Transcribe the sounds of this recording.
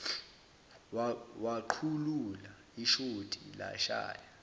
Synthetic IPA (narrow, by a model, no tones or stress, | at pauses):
waǃʰulula | iʃodʰʱʼila̰ʃa̰ːja